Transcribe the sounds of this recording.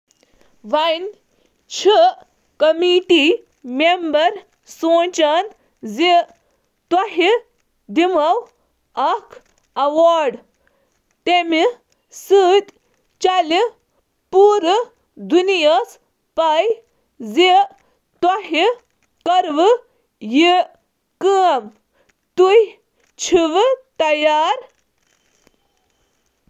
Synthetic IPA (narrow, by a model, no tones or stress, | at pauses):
ʋɐn | t͡ʃʰi | kɐmiʈiː | membɐɾ | sõːt͡ʃan | zi | t̪ɐɦi | d̪imɐw | ɐkʰ | ɐʋaːɾɖ | t̪emi | sɨːt̪ | t͡ʃali | puːɾɨ | d̪unijɐs | paj | zi | t̪wɐɦi | kɐɾʋɨ | ji | kɨm | t̪uj | t͡ʃʰiʋt̪ɐjaːɾ